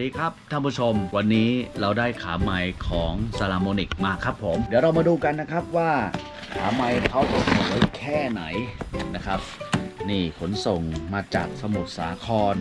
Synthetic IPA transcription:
diː˧kʰɾa˦˥p̚t̪ʰa˥˩pʰu˦˥˩t͡ɕʰo˧mwa˧nːiː˦˥ɾa˧wdaː˥˩jkʰaː˩˦ma˧jkʰɔː˩˦ŋsaː˧laː˧moː˧ni˨˩k̚maː˧kʰɾa˦˥pʰːo˩˦mdiː˩˦wɾa˧wmaː˧duː˧ka˧nːa˦˥kʰɾa˦˥p̚waː˥˩ | kʰaː˩˦ma˧jkʰa˦˥wt̪o˨˩t̪̚ːo˨˩t̪wə˦˥kʰɛː˥˩na˩˦jna˦˥kʰa˦˥p̚niː˥˩kʰo˩˦nso˨˩ŋmaː˧t͡ɕa̰ː˨˩k̚sa˧mu˨˩t̪̚saː˩˦kʰɔː˧n

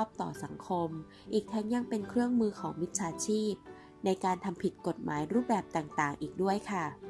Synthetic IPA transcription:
p̚t̪ɔ̰ː˨˩sa˩˦ŋkʰo˧m | ʔiː˨˩k̚t̪ʰɛː˦˥ŋja˧ŋpe˧nkʰɾɯ˥˩əŋmɯː˧kʰɔː˩˦ŋmi˦˥t̪̚t͡ɕʰaː˧t͡ɕʰiː˥˩p̚ | na˧jkaː˧nt̪ʰa˧mpʰi˨˩t̪̚ko˨˩t̪̚mʔa̰ː˩˦jɾuː˥˩p̚bɛː˨˩p̚t̪aː˨˩ŋt̪aː˨˩ŋʔiː˨˩k̚du˥˩əjkʰa˥˩

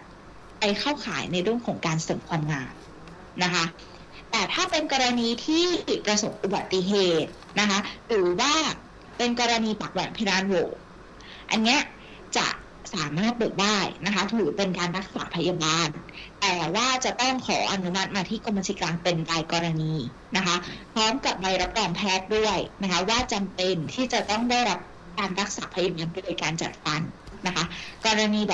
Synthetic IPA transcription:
pa˧jkʰa˥˩wkʰa̰ː˩˦jna˧jɾɯ˥˩əmkʰɔː˩˦ŋkaː˧nsɤː˩˦mkʰwaː˧mŋaː˧n | na˦˥kʰa˦˥ | t̪ɛː˨˩t̪ʰaː˥˩pe˧nkɔː˧ɾa˧niː˧t̪ʰiː˥˩pɾa˧so˨˩p̚ʔu˨ba˨˩t̪ːi˧ɦeː˨˩t̪̚ | na˦˥kʰa˦˥ɾɯː˨˩˦waː˥˩ | pe˧nkɔː˧ɾa˧niː˧paː˨˩k̚wɛ̰˩˦ŋpʰa˦naː˨˧˥nwoː˨˦ | ʔa̰˧nːi˦˥ɐ | t͡ɕa̰˨˩ | saː˩˦maː˥˩t̪̚bɤː˨˩t̪̚daː˥˩jna˦˥kʰa˦˥t̪ʰuː˨˩pe˧nkaː˧nɾa˦˥k̚sa̰ː˩˦pʰa˧jaː˧baː˧nt̪ɛː˨˩waː˥˩t͡ɕa˨˩t̪ɔ˥˩ŋkʰɔː˩˦ʔa˧nu˦˥ma˦˥t̪̚maː˧t̪ʰiː˥˩ko˧mːa˧t̪ʰi˨˩klaː˧ŋpe˧nɾaː˧jkɔː˧ɾa˧niː˧ | na˦˥kʰa˦˥pʰɾɔː˦˥mka˨˩p̚ːa˧jɾa˦˥p̚ɾɔː˧ŋpʰɛː˥˩t̪̚du˥˩əjna˦˥kʰa˦˥waː˥˩t͡ɕa˧mpe˧nt̪ʰiː˥˩t͡ɕa˨˩t̪ɔ˥˩ŋda˥˩jɾa˦˥p̚ | kaː˧nɾa˦˥k̚saː˩˦pʰa˧jaː˧baː˧ndoː˧jkaː˧nt͡ɕa̰˨˩t̪̚fa˧nːa˦˥kʰa˦˥kɔː˧ɾa˧niː˧bɔ˨˩

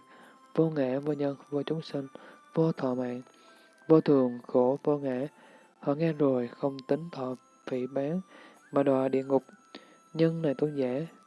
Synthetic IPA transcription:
vo˧ŋa̰ː˧˩˥vo˧ɲə˧nvo˧t͡ɕʊ˨˦ŋ͡msï˧ŋvo˧t̪ʰɔ̰˧˨ma̰ː˧˨n | vo˧t̪ʰɨ˨˩əŋxo˧˩vo˧ŋa̰ː˧˩˥ | hɔ̰˧˨ŋɛ˧zo˨˩jxə˧wŋ͡mt̪ï˨˦ŋ̟t̪ʰɔ̰˧˨ | vḭ˧˩˨ɓaː˨˦ŋ | maː˨˩ɗwa̰ː˧˨˩ɗḭ˧˨əŋʊ˨˩k͡p̚ | ɲə˧nna˨˩jt̪ə˧nzaː˧˥

